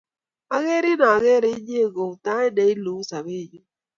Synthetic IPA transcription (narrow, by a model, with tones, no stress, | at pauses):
a˦ɣe˦ɾi˦na˨a˨ɣe˦ɾɪ˦ɲ˦e˦˨ɡo˨ta˦e˦de˨i˦lu˨˦sa˨be˦˨d͡ʒu˦